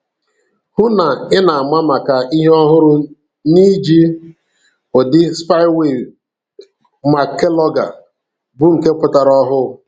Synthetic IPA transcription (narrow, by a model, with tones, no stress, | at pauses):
hʊ˦na˨ɪ˦na˨a˨ma˦ma˨ka˨i˦ɦe˦ɔ˦ɦʊ˦ɾʊ˦ | ni˦d͡ʒi˦ | ʊ˨dɪ˦spa˦ɪ˦we˨ | ma˨ke˦lɔ˦ɡa̰˨ | bʊ˨ŋ̩˨ke˦pʊ˨ta˨ɾɔ˦ɦʊ˦